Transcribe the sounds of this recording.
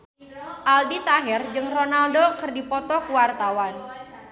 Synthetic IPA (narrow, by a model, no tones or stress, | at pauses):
ʔaldit̪aɦɪrd͡ʒɨŋronaldokərdipɔt̪ɔkuwart̪awan